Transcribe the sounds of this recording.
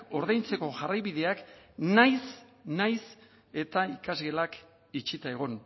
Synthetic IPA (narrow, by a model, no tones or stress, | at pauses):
o̞ɾðajnt͡se̞ko̞ʝarajβiðe̞aknajsnajs | e̞t̪aikazɣe̞lak | it͡ʃit̪ae̞ɣ̞o̞n